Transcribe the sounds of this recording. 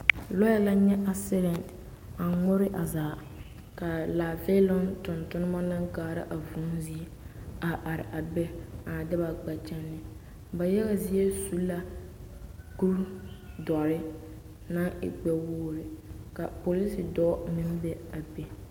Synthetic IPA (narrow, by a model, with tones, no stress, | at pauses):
lɔ˦a˦la˦ɲɛ˦ʔa˨sɪ˦lɛ˨n | a˨ŋʊ˦ɾɪ˦ʔa˨zaː˨ | ka˨laː˨ve˦lɔ˦ntʊ˨ntʊ˦nɪ˦ma˦na˦ŋɡaː˨ɾa̰˦ʔa˨vu˦nzi˦ | a˨ʔa˨ɾɪ̰˨ʔa˨bɛ˦a˨dɪ˦ba˨ɡ͡ba˨t͡ʃɛ˦nːɪ˨ | ba˨jɛ˦ɣa˨zi˦e˦su˦la˦ | ku˦ɾ | dɔ˨ɾɪ˦ | na˦ɪ̰˨k͡pɛ˨woː˦ɾɪ˨ka˨po˨li˦si˨dɔ˦mɪ˦m˦bɛ˦a˨be˨